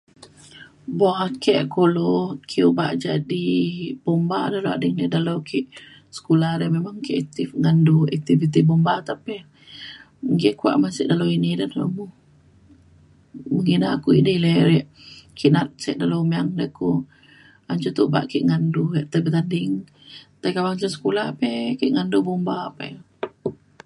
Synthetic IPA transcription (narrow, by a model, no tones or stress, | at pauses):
bɔhakɛʔkulɔkʰiuba̰ʔd͡ʒadib̥ombadahloa̰dəŋdədalowkʰiʔ | sə̥kulahdəmemaŋkiʔɛk̚t̪ifŋanduɛk̚t̪ifit̪ibombat̪apɛ | ŋɡɛʔkua̰ʔmansɛʔdalowinidadalo̰muh | məɡinaakuḭʔdəlɛɾɛʔ | kʰiʔnat̪̚sɛ̰ʔdalowmiaŋdəku | aɲt͡ʃut̪uba̰ʔkiʔŋanduɾɛʔt̪əbət̪andiŋ | t̪akawaɲt͡ʃansə̥kulahapɛkiʔŋandubombapɛ̰